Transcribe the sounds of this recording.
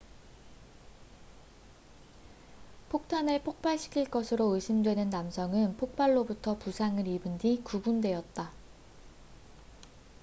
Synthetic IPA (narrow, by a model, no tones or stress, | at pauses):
pʰok̚tʰanepʰok̚p͈aɭɕʰi̥kʰiɭk͈ʌsʰɯɾoɯɕʰimdwe̞nɯnːamsʰʌŋɯnpʰok̚p͈aɭːobutʰʌpusʰaŋɯɾibɯndikubundwe̞ʌt̚t͈a